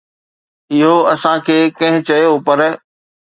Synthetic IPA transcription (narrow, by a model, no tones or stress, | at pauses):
ɪɦoɐsãkʰeːkɐ̃ɦɪ̃t͡ɕɐjopɐɾ